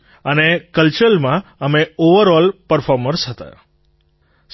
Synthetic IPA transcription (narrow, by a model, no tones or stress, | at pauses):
ənekəlt͡ʃəlmãəmeoʋəɾɔlpəɾfɔɾməɾsɦət̪a̰ | s